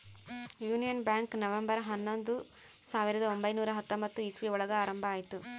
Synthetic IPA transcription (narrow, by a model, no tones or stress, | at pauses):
juːnijɐnbjaːŋknɐʋɐmbɐɾɦɐnːond̪u | saːʋiɾɐd̪ɐombɐjnuːɾɐɦɐt̪ːombɐt̪ːuisʋiɔɭɐɡɐaːɾɐmbʱaːjit̪ːu